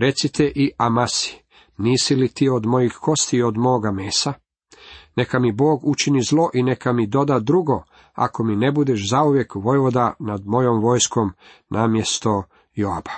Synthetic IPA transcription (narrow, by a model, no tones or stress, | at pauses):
ɾe̞t̪sit̪eʔiʔamasi̥ | niːsilit̪iːo̞d̪mo̞jixko̞st̪io̞d̪mo̞ːɡameːsa | ne̞kamibo̞ːɡut͡ʃinizlˠo̞ʔine̞kamid̪o̞d̪ad̪ɾuɡo̞ | a̰ko̞mine̞bud̪eʃzauʋje̞kʋo̞jʋo̞d̪anad̪mo̞jomʋo̞jskomnʔaːmje̞st̪o̞ | joa̰ba